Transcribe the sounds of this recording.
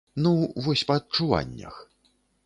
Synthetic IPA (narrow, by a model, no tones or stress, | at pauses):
nuvɔsʲpɐːt̪̚t͡ʂuva̰nʲːɐ̰x